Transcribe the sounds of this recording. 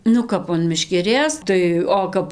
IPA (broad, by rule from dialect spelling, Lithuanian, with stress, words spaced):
nʊ ˈkɐp ɐn mʲɛʃʲkʲɛˈrʲeːs tɐɪ ˈoː kɐp